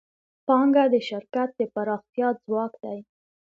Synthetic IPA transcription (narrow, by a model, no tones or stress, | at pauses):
pɑŋɡad̪əʃɪɾkat̪̚d̪əpaɾɑxt̪jɑzwɑkd̪aj